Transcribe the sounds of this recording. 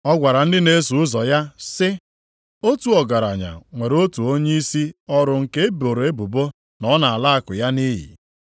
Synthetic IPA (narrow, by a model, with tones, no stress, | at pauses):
ɔ˦ɡʷa˨ɾa˨n̩˦dɪ˦ne˦su˨ʊ˦zɔ˨ja˦sɪ˦ | o˦tu˨ɔ˨ɡa˨ɾa̰˨ɲa̰˨ŋʷe˨ɾo˦tu˨o˦ɲe˦i˦si˦ɔ˦ɾʊ˨ŋ̩˨ke˦e˦bo˨ɾo˨e˦bu˨bo˦ | nɔ˦na˨a˨la˦a˦kʊ̰˨ja˦ni˦ɦḭ˨